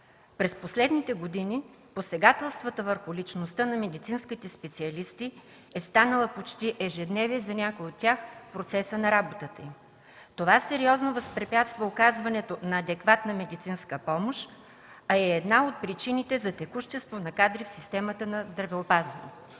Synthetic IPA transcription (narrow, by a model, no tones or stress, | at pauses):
pɾɛsposlɛd̪nit̪ɛɡod̪ini | posɛɡat̪ɛlˠst̪vət̪əvəɾxʊlit͡ʃnost̪ənɐmɛd̪it̪sinskit̪ɛspɛt̪siɐlist̪i | ɛst̪anəlˠəpot͡ʃt̪iʔɛʒɛd̪nɛviɛzɐnʲakojot̪ːʲaxpɾot̪sɛsənɐɾabot̪ət̪əim | t̪ovasɛɾiɔznovɐspɾɛpʲjat̪st̪vɐokazvɐnɛt̪onɐːd̪ɛkvat̪nəmɛd̪it̪sinskəpɔmoʃ | ɐɛːd̪naot̪̚pɾit͡ʃinit̪ɛzɐt̪ɛkuʃt̪ɛst̪vonɐkad̪ɾifsist̪ɛmət̪ənɐzd̪ɾɐvɛopazɐnɛ̰